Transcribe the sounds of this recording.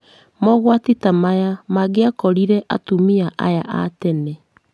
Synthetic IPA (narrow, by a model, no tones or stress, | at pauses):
mɔɣwatitamajamaɣeakɔɾiɾɛʔa̰tumiaʔa̰jaʔa̰tɛnɛ